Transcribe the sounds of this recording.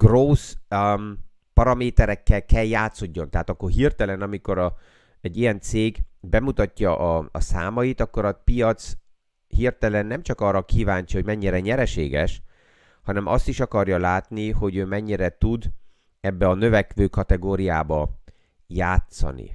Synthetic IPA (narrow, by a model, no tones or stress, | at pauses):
ɡ̥roːs | pɒɾɒmeːt̪ɛɾɛkːɛlkːɛljaːt̪so̞ɟːo̞nt̪ɛɦaːt̪ɒkːo̞rɦirt̪ɛlɛnɒmiko̞ɾɒ | ɛɟːijɛnt̪seːɡbɛmut̪ɒcːɒʔɒ̰ːsa̰ːmɒjit̪ɒkːo̞ɾɒpijɒt̪s | hirt̪ɛlɛnːɛmt͡ʃɒkɒːrːɒkiːvaːɲt͡ʃiho̞ɟmɛɲːiɾɛɲɛɾɛʃeːɡɛ̰ʃ | hɒnɛmʔɒ̰st̪iʃɒkɒrjɒlaːt̪niho̞ɟøːmɛɲːiɾɛt̪ud̪ | ɛbːɛɒnø̞vɛkʋøːkɒt̪ɛɡoːɾijaːbɒ | jaːt̪sɒ̰nḭ